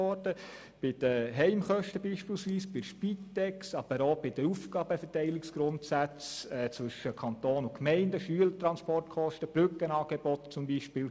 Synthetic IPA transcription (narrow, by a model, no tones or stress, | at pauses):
ɔɾdə | b̥ɪd̥əɦɛɪmχœʃtəbiːʃpiːlsʋiːsb̥ɪʃpitːɛksɑb̥əɾoːbɪd̥̪əɾufɡ̥ɑːbəfɛɾtɛɪlɪksɡ̥ɾʊntsæt͡sɛːt͡sʋɵʃəkʰɑnt̪oːnʊkmɛɪndəʃyələtɾɑnspɔrtkʰɔʃtəb̥ɾʏkːənɑːɡ̥ebɔt̪t͡sʊmbiːʃpɪːl